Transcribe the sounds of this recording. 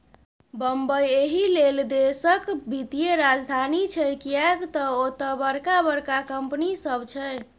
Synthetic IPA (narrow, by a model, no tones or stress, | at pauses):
bəmbəjeɦileld̪esəkbʱit̪ijeɾad͡ʒd̪ʱanit͡ʃʰɛkijakt̪ɔot̪əbəɾkabəɾkakəmpnisəbt͡ʃʰɛj